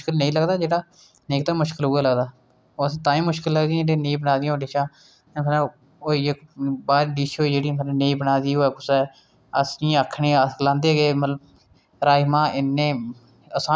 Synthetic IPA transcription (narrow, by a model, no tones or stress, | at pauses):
kəlnəĩːləɡd̪aːd͡ʒeːɽaː | neːkt̪ãːmʊʃkəlɦʊːaːləɡd̪aː | sĩːt̪ãːĩːmʊʃkɪlːəɡd̪iãɽẽːneĩːbənaːd̪ɪjãːɖɪʃãː | emən | oːiːɪkbaːɾɖiːʃoːiːd͡ʒeːɽiːmənːneiːbənaːd̪iːoːɛːkʊsɛː | əsĩəkʰːɳẽːlãːnd̪eːɡeːmət̪ləb̚ | ɾaːimãːɪnːẽː | əsaː